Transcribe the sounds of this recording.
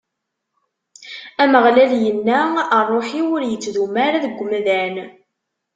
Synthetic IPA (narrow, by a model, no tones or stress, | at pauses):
æməʁlæljənːæərˤːoħiwʊɾjət͡sːðumæɾæðəɡʷːmðæn